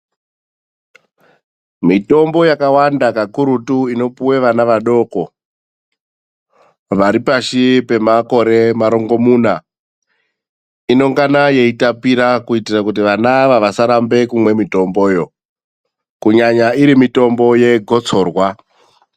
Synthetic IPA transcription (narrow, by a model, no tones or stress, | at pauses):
mito̞mbo̞jakawandakakuɾutuino̞puwe̞ʋanaʋaɗo̞ko̞ | ʋaɾipaʃipe̞mako̞ɾe̞maɾoŋɡo̞muːna | ino̞ŋɡanaje̞itapiɾakuitirakut̬iʋanaʋaʋasaɾambe̞kumwe̞mito̞mbo̞ːjo̞ | kuɲaɲaiɾimito̞mbo̞je̞ɡʱo̞t͡so̞ːrwa